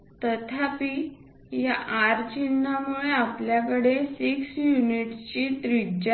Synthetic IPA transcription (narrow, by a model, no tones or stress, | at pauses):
t̪ət̪ʰapi | jaʔaɾt͡ɕinːamuɭeapljakəɽesiksjuniʈt͡ɕit̪ɾid͡ʑa